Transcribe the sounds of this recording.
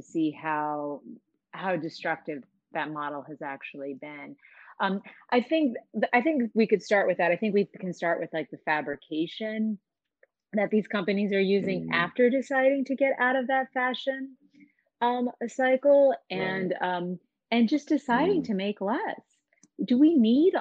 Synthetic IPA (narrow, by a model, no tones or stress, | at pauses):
ɨsihaʊ | haʊdɨstɹ̥ʌk̚tɨv | ðɨt̚mɑɾl̩ˠɨzæk̚t͡ʃul̩ˠibɪ̃n | ʔʌ̃mʔaɪθɪ̃ŋk̚ðʔaɪθɪ̃ŋkwikɨd̥stɑɹʔ̚wɨðɨɾaɪθɪ̃ŋk̬wikʰɨ̃nstɑɹʔwɨð̥laɪk̚ðɨfæbɹɨkʰeɪʃɨ̃n | ðɨt̪̚ðiz̥kʰʌ̃mpɨnizə˞jʉzɪ̃ŋʔæftə˞dɨsaɪɾɪ̃ŋtʰɨɡɛɾa̰ʊɾʌvðɨtfæʃɨ̃n | ʌ̃mɨsaɪkl̩ˠɨ̃nʌ̃m | ɨ̃nd͡ʒʌsd̥ɨsaɪɾɪ̃ŋtʰɨmeɪklɛs | d̥əwiniɾ